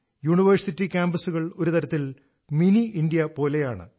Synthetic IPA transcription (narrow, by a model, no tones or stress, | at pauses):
juːɳiʋɐrsitːikʲaːmbɐsuɣɐɭo̞ɾut̪ɐɾɐt̪ːil | miniindijɐpo̞ːle̞jaːɳɨ̰